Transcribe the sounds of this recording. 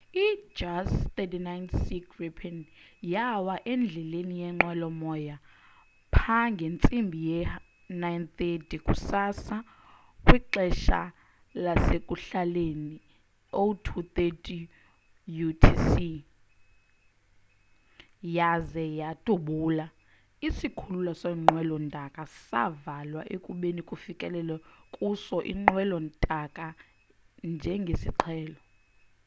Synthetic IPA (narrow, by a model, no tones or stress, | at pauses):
i̥d͡ʒast̪etinajnsikʰripʰɛnjawaʔend͡ɮʱɛlenijɛŋ͡ǃɛlɔmɔja | pʰaŋɡʱent͡sʼimbʱijɛ | najnt̪etʼikʼṵsasa | kʼwiǃɛʃa̰ | lasekʼuɬaleni | otʰut̪etʼi | jutʰisi | jazɛjatʼuɓuːla | isikʰululasaiŋ͡ǃwɛlɔntʼakʼasa̰valwaʔekʼuɓenikʼufikʼɛlɛlɛkʼusɔʔḭŋ͡ǃwɛlɔntʼakʼa | nd͡ʒʱɛŋɡʱesḭǃʰɛːlɔ